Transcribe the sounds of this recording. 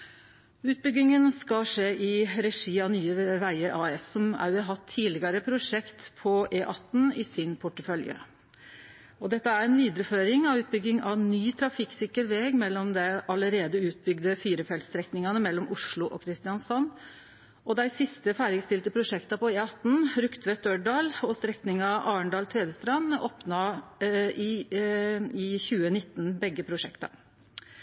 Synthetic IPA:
ʉːt̪̚bʏɡːɪŋənskɑlʂeːʔɪɾɛʂiːɑnyːəʋæɪəɾʔɑːɛsːɔmæ̰ɛɦɑt̪ʰːiːlɪɡɑɾəpʰɾʊʂɛkt̪pʰɔʔeːʔɑt̪ːn̩ɪsɪnpʰʊʈːəfœljə̰ | ɔd̪ɛt̪ːəæɾɛnʋiːd̪əɾəføːɾɪŋɑʋʉːt̪̚bʏɡːɪŋɑ̰nyːt̪ʰɾɑfɪksɪkəɾʋeːɡmɛlːɔmd̪ɛʔɑləɾeːd̪əʉːt̪̚bʏɡd̪əfiːɾəfɛlt̪st̪ɾɛknɪŋɑnəmɛlːɔmʊʂɭʊʔɔ̰kʰɾɪst̪ɪɑnsɔnː | ʔɔd̪æɪsɪst̪əfæːɾɪɡst̪ɪlt̪əpʰɾʊʂɛkt̪ɑpɔeɑt̪n̩ɾʉkt̪ʰʋɛt̪̚œɖɑːlɔst̪ɾɛknɪŋɑʔɑːəɳɖ̪ɑːlt̪ʰeːd̪əst̪ɾɑnoːpnɑ | ʔɪ | ɪçʉːənɪt̪ːn̩bɛɡːəpʰɾʊʂɛkt̪ɑ̰

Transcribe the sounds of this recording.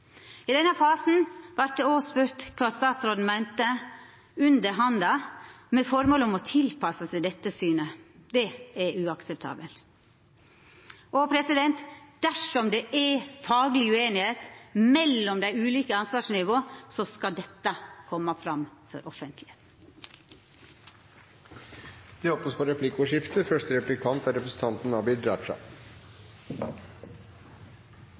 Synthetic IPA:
ɪd̪ɛnːəfɑːsn̩ʋɑɾt̪d̪ɛoːspʉɾt̪kʰʋɑːst̪ɑːt̪sɾoːd̪n̩mæɪnt̪ə | ʉnd̪əɾɦɑnd̪ɑmɛfɔɾmoːlɔmɔt̪ʰɪlpʰɑsəsæɪd̪ɛt̪ːəsyːnəd̪ɛæɾʉɑksɛp̚t̪ʰɑ̰ːbəlt̪ | ʔɔpʰɾɛsɪd̪ɛnt̪d̪̥æʂɔmd̪ɛʔɛɾfɑːɡlɪʉeːnɪheːt̪mɛlːɔmd̪æɪʉːliːkəɑnsʋɑːʂnɪʋoːsɔskɑd̪ɛt̪ːəkʰɔmːəfɾɑmfɔ̰ɾʔɔfənt̪ʰlɪheːt̪n̩ | d̪̥ɛhɔpnəspʰɔɾɛpʰlɪkːʊʂɪft̪əfœʂtəɾɛplɪkʰɑnt̪ɑɾɛpɾəsən̩t̪ʰɑnt̪n̩ɑbɪd̪ɾɑːʂɑ̰

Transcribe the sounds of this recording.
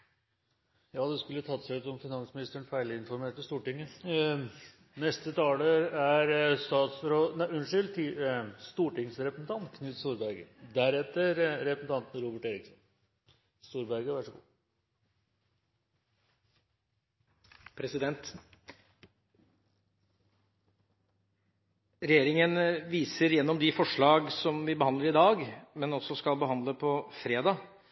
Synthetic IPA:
jɑːd̪ɛskʉlːət̪ʰɑt̪ːsæʉt̪sɔmfɪnɑnsmɪnɪst̪əəɳfæɪɭəɪnfɔɾmeːʈ̪əst̪uːʈɪŋːə | nɛst̪ət̪ʰɑːləɾæɾst̪ɑːt̪sɾoːʉnʂʏlt̪ʰɪst̪uːʈɪŋsɾɛpɾəsn̩t̪ʰɑnt̪kʰnɪlt̪st̪uːɾbæɾɡə̰d̪æɾɛt̪ːəɾɾɛpəsn̩t̪ʰɑnt̪n̩ɾuːbəʈeːɾɪksɔn | st̪uːɾbæɾɡəʋæʂɔɡṵː | pʰɾɛsɪd̪ɛnt̪ | ɾɛjeːɾɪŋənʋiːsəɾjɛnːɔmd̪ɪfɔʂɭɑːɡsɔmʋɪbəhɑnd̪ləɾɪd̪ɑːɡmɛnɔsːɔskɑlbəhɑnd̪ləpʰɔfɾeːd̪ɑː

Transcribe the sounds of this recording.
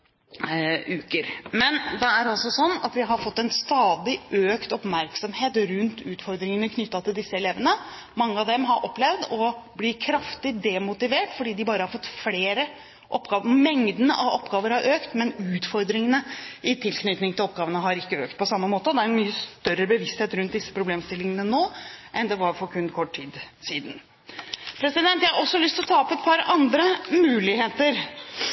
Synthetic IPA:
ʉːkəɾmɛnd̪ɛæɾɑlsɔsɔnːɑ̰t̪ʋɪɦɑɾfɔt̪ːɛnst̪ɑːd̪ɪʔøːkt̪ɔpmæɾksɔmheːt̪ɾʉnt̪ʉːt̪fɔɾd̪ɾɪŋənəkʰnʏt̪ːɑt̪ʰɪld̪ɪsːəɛleːʋənə | mɑŋːəɑd̪ɛmɦɑɾʔɔpːlɛʋd̪ɔblɪkʰɾɑft̪ɪd̪ɛmʊt̪ɪʋeːʈfɔɖiːd̪ɪbɑːɾəhɑɾfɔt̪ːfleːɾə | ʔɔpːɡɑːʋmɛŋd̪ənəʔɑɔpːɡɑːʋəɾhɑɾʔøːkt̪mɛnʉːt̪fɔɾd̪ɾɪŋənəɪt̪ʰɪlknʏt̪nɪŋt̪ɪlɔp̚ːɡɑːʋənəɦɑɾɪkːəøːk̚t̪̚pʰɔsɑmːəmoːt̪əɔd̪ɛæɾɛnmyːəst̪œɾəbəʋɪst̪heːt̪ɾʉnt̪̚d̪ɪsːə̥pʰɾʊbleːmst̪ɪlːɪŋənənoːʔɛnd̪ɛʋɑɾfɔɾkʰʉnːkʰɔʈːʰiːd̪siːd̪ən | pʰɾɛsɪd̪ɛnt̪jæɪhɑʔɔsːɔlʏst̪ɪlɔt̪ʰɑːpɛt̪̚pʰɑɾɑnd̪ɾəmʉːlɪheːt̪əɾ

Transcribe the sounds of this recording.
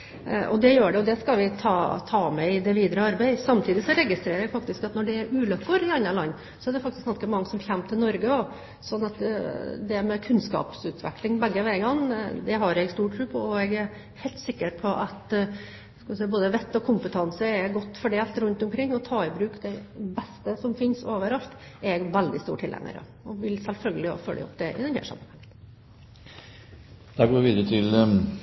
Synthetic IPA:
ʔɔ̰d̪ɛjøːɖɛɔd̪ɛskɑlʋɪt̪ʰɑːt̪ʰɑːmɛɪd̪ɛʋiːd̪ɾəɑɾbɛɪsɑmt̪ʰiːd̪ɪsɔɾɛɡɪst̪ɾeːɾəɾɛɡfɑk̚t̪ɪskɑt̪nɔɖɛːɾʔʉːlœkːʊɾɪɑnːɑlɑnː | sɔɛɖ̪ɛfɑk̚t̪ɪsɡɑnskəmɑŋːəsɔmçæmːt̪ʰɪlnɔɾɡəɔ | sɔnːɑt̪d̪ɛmɛkʰʉnskɑ̰ːpsʉːt̪ʋɛ̰klɪŋbɛɡːəʋæɪɡɑŋːd̪ɛɦɑɾɛɡst̪uːʈʰːɾʉpʰɔɔɛɡæɾ | hɛɪlt̪sɪkːəɾpʰɔʔɑt̪ | skɑʋɪsɛɪboːd̪əʋɛt̪ːɔkʰʊmpət̪ʰɑnsəɛɡɔt̪ːfɔɖeːlt̪ɾʉnt̪ʊmkʰɾɪŋːɔt̪ʰɑːɪbɾʉːkd̪ɛbɛst̪əsɔmfɪnsoːʋəɾɑlt̪ɛɾɛɡʋæld̪ɪst̪uːʈʰɪlʔɛ̰ŋə̰ɾə̰ | ɔʋɪlsɛlfœlɡəlɪɔ̰fœlːʔə̰ɔ̰pd̪ɛʔɪ̰d̪ɛnhæ̰ːʂɑ̰mːənhɑŋːənn | d̪̥ɑɡoːʋɪʋiːd̪əɾət̪ʰɪl

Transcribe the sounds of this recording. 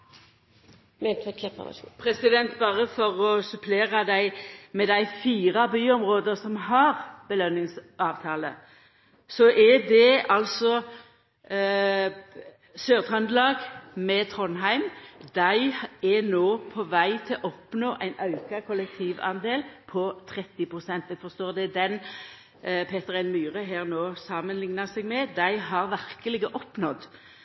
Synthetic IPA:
mɛt̪ʰɛkʰɛppʰʁɛsɪd̪ɛnt̪bɑːʁəfɔʁɔsʉpʰleːʁɑd̪æɪmɛd̪æɪfiːʁɑbyːɔmʁoːd̪əsɔmɦɑʁb̥əlœnːɪŋsʔɑːʋt̪ʰɑːlə | sɔʔɛd̪ɛɑlsɔ | søːʁt̪ʁɑnd̪lɑːɡmɛt̪ʰʁɔnɦæɪmd̪æɪɛnoːpʰɔʋæɪt̪ʰɪlʔɔpnoːʔæɪnɑʉkɑkʰɔlɛk̚t̪ʰiːʋɑ̰nd̪eːlpʰɔt̪ʰʁɛt̪ːɪpʁʊsɛnt̪ɛɡfɔst̪oːʁd̪ɛd̪ɛn | pʰeːt̪əʁɛɪnmyːʁəɦeːʁnoːsɑmənlɪŋnəsɛɡmɛd̪æɪɦɑʁʋæɾkəlɪɡəʔɔpnɔd̪

